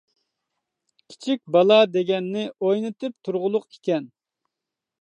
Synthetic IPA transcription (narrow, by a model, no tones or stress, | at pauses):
kʲʰi̥t͡ʃʰik̚ʲbɑlˠɑd̪eɡʲɛnːɪʔojnɨt̪ɨp̚t̪ʰuɾʁʊlˠʊqikʲɛn